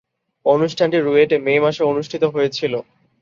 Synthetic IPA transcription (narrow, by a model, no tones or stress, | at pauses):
onuʃʈʰanʈiɾueʈememaʃeonuʃʈʰit̪oɦojet͡ɕʰilo